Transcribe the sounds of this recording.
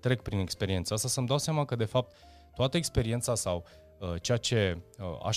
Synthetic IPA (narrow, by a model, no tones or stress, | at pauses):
t̪ɾe̞k̚pɾine̞kspe̞ɾie̞nt̪səast̪asəmd̪awseamakəd̪e̞fap̚t̪ | t̪ːoat̪əekspe̞ɾie̞nt̪sasaw | ət͡ʃejat͡ʃe̞a̰ʃ